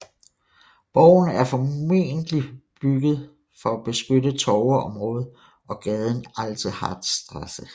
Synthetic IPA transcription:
b̥ɒʊnəæɐfɒ̽me̝̰nd̥lib̥yɡ̥əð̞̩ˠ | fɒ̽æb̥e̝sɡ̥ødət͡sʰɒʊɐɒ̽mʁɔ̽ːð̞̩ˠ | ɒ̽ɡ̥ɛð̞ˠn̩ɑlt͡sʰihɑ̰̈d̥sd̥ʁasə

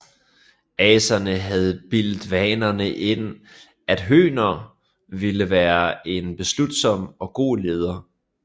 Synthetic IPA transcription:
ɛːsɐnəɦæð̞ˠb̥ild̥ʋɛːnɐnəʔe̝n̰ | ʔæd̥ɦø̰ːnɐ | ʋiləʋæːɐe̝nb̥e̝slud̥sɒ̽mɒ̽ɡ̥o̝̰ːle̝ð̞ˠɐ

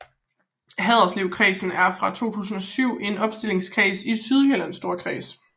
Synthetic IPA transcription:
ɦɛðˠɐsliʊ̰kʰʁiːsn̩æɐfʁɑ̈t͡sʰo̝̰ːt͡sʰṵːs̬n̩ɒ̽syʊ̰e̝nɒ̽b̥sd̥e̝le̝ŋskʰʁḭːsisyð̞ˠhølænsd̥o̝ɐkʰʁḭːs

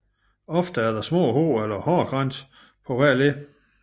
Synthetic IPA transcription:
ɒ̽fd̥əæɐd̥ɑ̈smɔ̰ːɦo̝̰ːelɐhɒːɡ̥ʁɑn̰s | pʰɒ̽ʋæɐ̰le

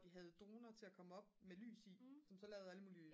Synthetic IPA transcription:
d̥iɦæð̞ˠd̥o̝ːnɐt͡sʰe̝lækʰɒ̽məɒ̽b̥mely̰ːsisɒ̽msɒ̽lɛːʊð̞̩ˠæləmuːli

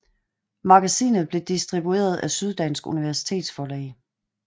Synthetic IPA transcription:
mɑ̈ɡ̥æsḭːnð̩ˠb̥le̝d̥isd̥ʁib̥ue̝̰ːɐð̞ˠæsyð̞ˠd̥ænsɡ̥uniʋæɐsi̥t͡sʰe̝̰ːd̥sfɒːlɛ̰ː

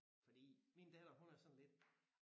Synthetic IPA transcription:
fɒd̥ḭːmind̥ɛd̥ɐɦunæɐsɒ̽n̩le̝d̥̚

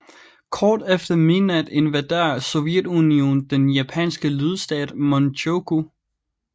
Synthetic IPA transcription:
kʰɒːd̥efd̥ɐminæd̥e̝nʋæd̥eɐsɔ̽jed̥unio̝̰ːnd̥enjæpʰɛ̰nsɡ̥əlyð̞ˠsd̥ɛ̰ːd̥mɒnɕʰoɡ̥u

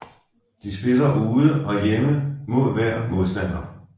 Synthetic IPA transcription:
d̥isb̥e̝lɐʔuːðˠəɒ̽jeməmo̝ð̰ˠʋæɐ̰mo̝ðˠsd̥æn̰ɐ

